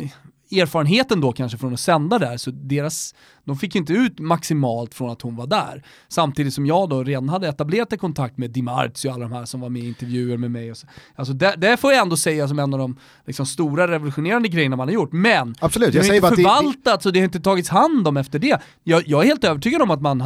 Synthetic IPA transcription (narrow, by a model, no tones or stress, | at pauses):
eːɾfɑːɾənɦeːt̪ənd̪ɔkʰanʂəfɾɔnɔsɛnd̪ad̪æɾsɔd̪eːɾas | d̪ɔmfɪkːjʏɪnt̪əʉ̟ːt̪maksɪmɑːlt̪fɾɔnat̪hʊnvaɖæ̰ːɾ | samt̪iːd̪ɪt̪sɔmjɑːɡd̪ɔɾeːd̪anhad̪ːəɛt̪ableːɾat̪̚kʰɔnt̪ʰak̚t̪mɛːd̪ɪma̰ɾt̪sɔalːad̪ɔmɦæːʂɔmvaɾmɛɪnt̪əɾvjʉ̟ːəɾmɛmɛjɔsals̬ɔd̪ɛd̪ɛfoːjaɛnd̪oːsɛjːas̬ɔmɛnːɑːvd̪ɔm | lɪksɔmst̪uːɾaɾɛvɔlɵɧʊneːɾand̪əɡɾɛjːəɳamanhaɾjʊʈːmɛnabsɔlʉ̟ːt̪jaɛfœɾvalt̪at̪sɔd̪ɛhaɾjɪnt̪ət̪ʰɑːɡɪt̪shand̪ɔmɛft̪əɖɛ | jɑjɑːɡɛɾheːlt̪øːvəʈʰyːɡad̪ɔmat̪man